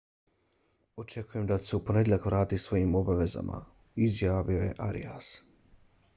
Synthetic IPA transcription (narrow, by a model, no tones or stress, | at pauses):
o̞t͡ʃe̞kuje̞md̪aseupo̞ne̞d̪ʲeʎakʋɾaːt̪isʋo̞jimo̞baʋe̞za̰mʔa̰ | izjaːʋioje̞̰ʔaɾḭas